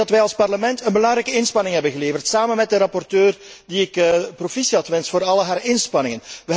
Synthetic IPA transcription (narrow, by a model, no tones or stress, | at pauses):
ɑtʋɛjɑlˠspɑrləmɛntənbəlɑŋɾɛjkəɪnspɑnɪŋɦɛbənɣəleːvərtsaːmənmɛt̚dəɾɑpɔrtøːrdiɪkːprofisiɑtʋɛnstfoːɾɑlˠɦaːɾɪnspɑnɪŋənʋə